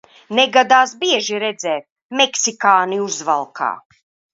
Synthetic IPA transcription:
neɡad̪aːsbiɛʒiɾɛd̪zɛːt̪̚ | meksikaːniuzva̰lˠkʰa̰ː

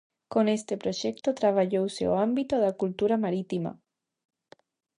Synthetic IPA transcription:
konest̪epɾoʃɛkt̪ot̪ɾaβ̞aʎowsḛo̰ambit̪oðakult̪uɾamaɾit̪ima̰

